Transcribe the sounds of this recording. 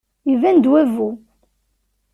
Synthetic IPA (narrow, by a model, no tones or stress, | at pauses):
jivænd̪wævu